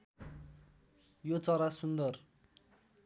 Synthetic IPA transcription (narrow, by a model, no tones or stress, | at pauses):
jot͡sʌɾasund̪ʌr